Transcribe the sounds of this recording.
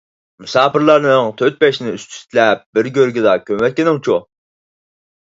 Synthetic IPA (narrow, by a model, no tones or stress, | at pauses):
musɑːpɨɾlˠɑɾnɨŋt̪ʰøɾt̪̚bɛʃnɪyst̪ʰy̥st̪ʰɪlɛp̚bɪɾɡʲøɾɡʲɪd̪ɑkʲʰøwɛt̪̚kʲɪnɪŋt͡ʃʰu